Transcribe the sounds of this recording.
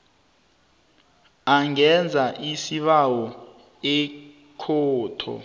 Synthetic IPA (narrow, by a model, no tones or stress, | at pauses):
aŋɛnd͡zʱaʔisiɓawɔ | ɛ | kʰɔːtʰɔ̰